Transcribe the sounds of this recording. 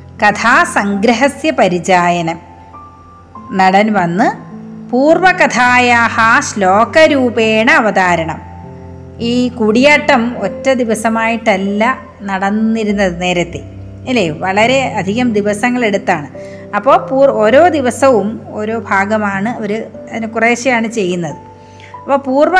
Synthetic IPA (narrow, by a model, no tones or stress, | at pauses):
kɐt̪ʰaːsɐŋɡɾɐɦɐsjɐpɐɾid͡ʑaːjɐnɐm | nɐɽɐnʋɐnːɨpuːrʋɐkɐt̪ʰaːjaːhɐɕlo̞ːkɐɾuːbeːɳɐɐʋɐd̪aːɾɐɳɐm | iːkuɽijaːʈːɐmotːɐd̪iʋɐsɐmaːjiʈːɐlːɐ | nɐɽɐnːiɾunːɐðɨne̞ːɾɐt̪ːe | elːeːʋɐɭɐɾe̞ɐd̪ʱiɣɐmd̪iʋɐsɐŋːɐɭe̞ɽut̪ːaːɳɨ | ɐpːo̞ːpuːo̞ːɾo̞ːd̪iʋɐsɐʋumo̞ːɾo̞ːbʱaːɡɐmaːɳɨo̞ɾuɐðinekureːɕɐjaːɳɨt͡ɕe̞jːunːɐðɨ | ɐpːoːpuːrʋɐ